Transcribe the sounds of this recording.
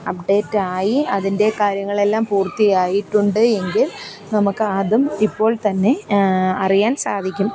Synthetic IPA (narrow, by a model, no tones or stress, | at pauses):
ɐp̚ɖe̞ːtːaːjiɐðinde̞kaːɾjɐŋːɐɭe̞lːaːmpuːrt̪ːijaːjiʈːuɳɖɨe̞ŋɡil | nɐmukːɨɐðumipːo̞ːɭt̪ɐnːe̞ɐrijaːnsaːd̪ʱikʲːum